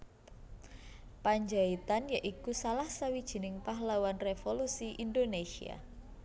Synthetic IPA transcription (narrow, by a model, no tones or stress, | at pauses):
paɲd͡ʒait̪anjaʔikusalahsawid̥ʒ̥i̤nɪŋpaɦlawanrefolusiʔind̪onesḭa̰